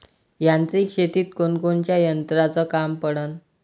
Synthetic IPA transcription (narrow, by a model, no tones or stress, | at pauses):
jant̪ɾiːkɕeʈ̪iːt̪konkont͡ɕjajənt̪ɾat͡sɔkampəɽən